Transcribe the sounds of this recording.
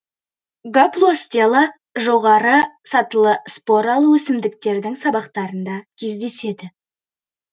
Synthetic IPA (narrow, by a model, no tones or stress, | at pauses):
ɡaplˠost̪ʲialˠə | ʒo̞ʁɑɾəsɑt̪əlˠəspo̞ɾɑlˠuwɵsɪmd̪ɪkt̪e̞ɾd̪ɪŋsɑbɑqt̪ɑɾənd̪ɑkʲʰe̞zd̪e̞se̞d̪ɪ